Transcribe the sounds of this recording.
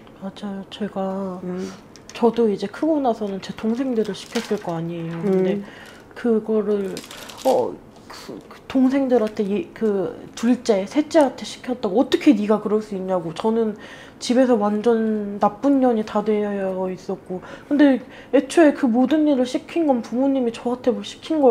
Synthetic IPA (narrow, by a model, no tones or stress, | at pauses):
mad͡ʑajot͡ɕe̞ɡa | t͡ɕʌdoid͡ʑe̞kʰɯɡonasʰʌnɯnt͡ɕe̞toŋsʰe̞ŋdɯɾɯɭɕʰi̥kʰjʌs͈ɯɭk͈ʌaɲiejokɯnde̞ | kɯɡʌɾɯɭʌ | kktoŋsʰe̞ŋdɯɾantʰe̞jkɯtuɭt͡ɕ͈e̞sʰe̞t͡ɕ͈eantʰe̞ɕʰi̥kʰjʌt̚t͈aɡoʌt͈ʌkʰe̞niɡakɯɾʌɭs͈uiɲːaɡot͡ɕʌnɯn | t͡ɕibe̞sʰʌwand͡ʑʌnːap͈uɲːʌɲitadwe̞jʌjʌʌis͈ʌk̚k͈okɯnde̞ | e̞t͡ɕʰoe̞kɯmodɯnːiɾɯɭɕʰikʰinɡʌnpumuɲːimit͡ɕʌɦatʰe̞boɕʰi̥kʰinɡʌ